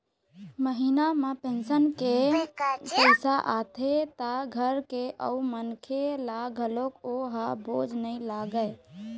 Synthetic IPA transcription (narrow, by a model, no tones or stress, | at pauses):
məɦinamepẽnsənke | pəɪsaʔat̪ʰet̪aɡʱəɾkeʔə̰umənkʰelaɡʱəlokoɦabod͡ʒʱnəilaɡə